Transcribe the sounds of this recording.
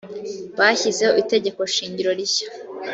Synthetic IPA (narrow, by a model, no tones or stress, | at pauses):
βaçizeite̞ɟe̞ko̞ʃiːɲɟiɾo̞ɾiçḁ